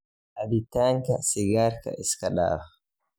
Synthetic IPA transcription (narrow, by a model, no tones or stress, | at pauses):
ʔaditaŋkasiɡaɾka̰ʔiskaɗa̰ːf